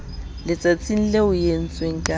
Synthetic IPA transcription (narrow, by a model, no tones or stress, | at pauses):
lɪt͡sʼat͡sʼin̩leʊjen̩t͡sʼweŋ̩kʼa